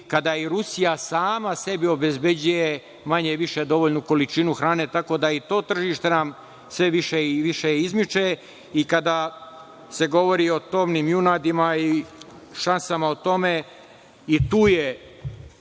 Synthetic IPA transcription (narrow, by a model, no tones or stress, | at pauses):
kad̪aiɾusijasaːmase̞bio̞be̞zbe̞d͡ʑuje | maɲeʋiʃe̞d̪o̞ʋoʎnuko̞lit͡ʃinuxɾaːne̞t̪ako̞d̪ait̪o̞ːt̪r̩ʒiːʃt̪e̞nam | sʋe̞ʋiʃeʋiʃeizmit͡ʃe | ikad̪a | se̞ɡo̞ʋo̞ɾio̞t̪o̞mnimjunad̪imai | ʃansamaot̪o̞me | it̪uːje